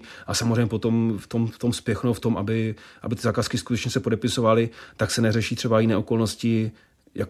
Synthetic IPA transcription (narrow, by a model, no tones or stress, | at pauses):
ʔasamozrɛjɲɛpot̪o̞mft̪o̞mft̪o̞mspjɛxnowft̪o̞mʔabɪʔa̰bɪt̪ɪzaːkaːskɪskut̪ɛt͡ʃɲɛsɛpo̞dɛpɪso̞valɪt̪aksɛnɛrɛʃiːt̪r̥ɛbajɪnɛːʔoko̞lno̞scɪ | jak